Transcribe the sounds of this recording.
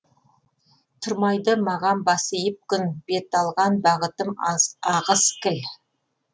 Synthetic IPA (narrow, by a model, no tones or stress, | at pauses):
t̪ʰʊɾmɑjd̪əmɑʁɑnbɑsəjəp̚kʲʰʏnb̥e̞t̪ɑlˠʁɑnbɑʁət̪əmɑʁəskʲɪl